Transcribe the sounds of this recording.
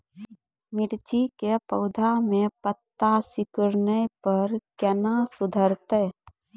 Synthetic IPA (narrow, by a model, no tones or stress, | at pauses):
mɪɽt͡ʃikepəʊd̪ʱamẽpət̪ːasɪkʊɾnəpəɾkənasʊd̪ʱəɾt̪ɛ